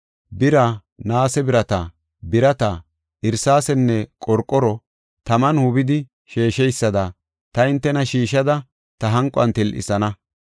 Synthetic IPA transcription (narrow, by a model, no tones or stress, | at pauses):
bɪɾa | naːsɛbɪɾɐt̪ɐ | bɪɾɐt̪ɐ | ʔɪɾsaːsɛnːɛkʼɔɾkʼːɔɾɔ | t̪ɐmɐnhʊbɪd̪ɪ | ʃeːʃɛjsːɐd̪ɐ | t̪ɐɪnt̪ːɛnɐʃiːʃɐd̪ɐ | t̪ɐɦɐŋkʼɐ̰nt̪ɪlʔɪ̰sɐnɐ